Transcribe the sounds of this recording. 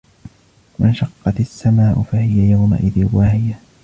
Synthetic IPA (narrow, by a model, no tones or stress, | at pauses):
mɪnʃɑqːɑt̪ɪsːamaːʔʊfahɪjajawma̰ʔɪðɪwahɪja